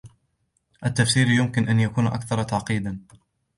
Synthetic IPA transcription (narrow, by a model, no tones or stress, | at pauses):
ʔat̪ːafsiːɾjʊmkɪnʔanjakuːnʔa̰kθɑɾˤt̪aʕqiːd̪an